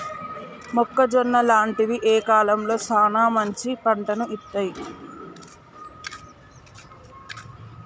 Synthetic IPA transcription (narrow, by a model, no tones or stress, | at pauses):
mɔkːɐd͡ʒɔnːɐlaːɳʈiʋiʔeːkaːlɐmlo̞ːsaːnaːmɐɲt͡ʃipɐɳʈɐnuʔit̪ːaːji